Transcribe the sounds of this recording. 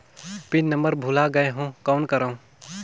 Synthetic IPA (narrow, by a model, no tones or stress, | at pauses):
pinnəməɾbʱulaɡəeɦũkaːnkəɾaũ